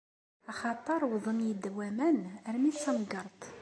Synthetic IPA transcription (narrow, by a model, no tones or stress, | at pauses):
ɑχɑt̪ˤəɾˤwðˤənjid̪ːwæmænəɾmisæmɡəɾˤt̪ˤ